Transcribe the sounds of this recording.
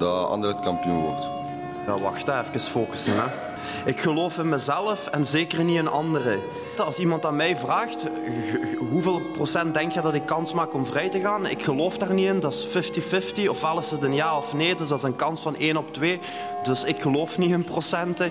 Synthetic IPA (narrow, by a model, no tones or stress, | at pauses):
dɑɑ̰ndərətkɑmpijunʋɔ̰rt | dɑʋɑ̰xtəɛfkəsfoːkə̥sənɛ | ɪkxəloːfənmɛzɛlˠəfɛnzeːkərniənɑ̰ndərə | ɑlˠsimɑntaːnmɛjvraːxt | ɦuveːlˠprosɛnt̚dɛŋkjədɑtɪkːɑnsmaːkɔmvrɛjtəɣaːnɪ̰kxəloːfdaːrniəndɑsfɪftifɪftiɔfʋɛlˠɪsətənjaːɔfneːdɵsdɑszənkɑnsfɑneːnɔptweː | dɵsɪkxəloːfniənprosɛntə